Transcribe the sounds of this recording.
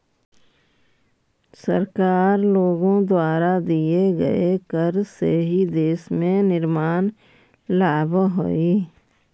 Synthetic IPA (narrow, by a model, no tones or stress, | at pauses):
sə̰ɾkaːɾloːɡõd̪waːɾad̪ieɡə̰ekəɾsḛɦid̪eːsmẽnɪɾmaːn | laːbɦo̰iː